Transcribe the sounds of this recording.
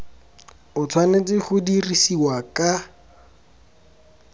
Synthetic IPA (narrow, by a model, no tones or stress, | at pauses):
ʊt͡sʰwanet͡sʼɪχʊdirisiwakʼa